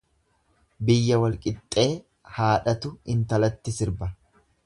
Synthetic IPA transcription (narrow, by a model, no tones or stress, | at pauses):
bɪjːɐwɐlkʼɪt̪ʼːe̞ː | haːᶑɐt̪ʊɪnt̪ɐlɐt̪ːɪsɪɾbɐ